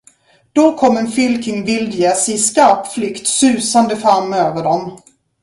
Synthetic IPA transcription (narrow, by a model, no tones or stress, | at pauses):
d̪̥ɔkʰɔmːɛnfɪlkɪŋvɪld̪jɛsɪskaɾpflʏkt̪sʉ̟ːsand̪əfɾamːøːvəɖɔm